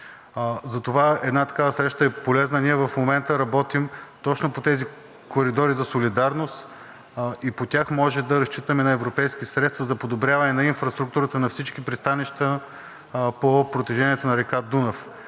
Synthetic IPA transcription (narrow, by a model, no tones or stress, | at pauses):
zɐt̪ovaɛd̪nat̪ɐ̥kavəsɾɛʃt̪əɛpolɛznəniɛvɐfmomɛnt̪əɾɐbɔt̪imt̪ɔt͡ʃnopot̪ɛzi | koɾid̪ɔɾizɐsolid̪aɾnost̪ | ipot̪ʲjaxmɔʒɛd̪ɐɾɐst͡ʃit̪əmɛnɐɛvɾopɛjsk̟isɾɛt̪st̪vɐzɐpod̪obɾʲjavɐnɛnɐinfɾɐst̪ɾuk̚t̪uɾət̪ənɐfsit͡ʃkipɾist̪aniʃt̪ə | popɾot̪iʒɛnʲiɛt̪onɐɾɛkad̪unɐf